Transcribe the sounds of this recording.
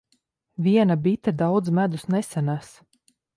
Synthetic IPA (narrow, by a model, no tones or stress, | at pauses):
vʲiɛnabit̪ad̪awd̪zmæd̪usnɛsanas